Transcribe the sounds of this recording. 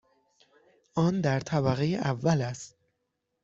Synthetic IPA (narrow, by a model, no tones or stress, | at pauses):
ʔɒːnd̪æɾt̪ʰæbæɣejeʔævːælæst̪̚